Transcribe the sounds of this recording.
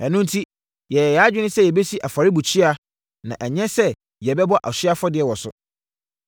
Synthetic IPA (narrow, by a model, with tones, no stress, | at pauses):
ɛ˨nʊ̃˦n˦tʰi˦ | jɛ˨jɛ˨jɛ˨a˦d͡ʑᶣɪ˦nɪ̃˦sɛ˦jɛ˨be˦si˦ʔa˨fa˨ɾɪ˦bu˨t͡ɕʰi˦a˦ | nã̰˨ʔæ˨ɲɛ̃˦sɛ˦ | jɛ˨bɛ˦bɔ˦ʔa̰˨ɕɪ˦a˦fɔ˦dɪ˨ɛ˨wɔ˨sʊ̰˨